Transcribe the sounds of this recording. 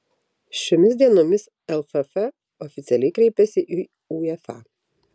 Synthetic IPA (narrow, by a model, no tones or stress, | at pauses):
ʃʲoːmʲɪsʲd̪ʲiɛnoːmʲɪs | ɛlˠfɛfɛ | ɔfʲɪt̪sʲɛlʲɛɪkɾʲɛɪpʲɛsʲɪʔiː | uɛfɑ̰